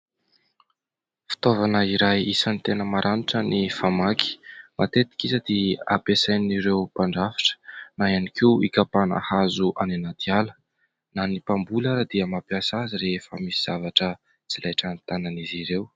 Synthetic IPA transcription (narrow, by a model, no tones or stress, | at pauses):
fi̥t̪ovanəiɾajisənit̪enəmaɾʔaniʈ͡ʂənifamaki̥mʔa̰t̪et̪i̥kʲizəd̪̥ea̰pesajniɾewpaɳɖ͡ʐafi̥ʈ͡ʂə̥naianikiwikapana̰hazuʔaninad̪ialə̥ | nanipambulaɾad̪iəmapiasaziɾefəmisiz̥avaʈ͡ʂə | t͡silajʈ͡ʂanit̪ananiziɾew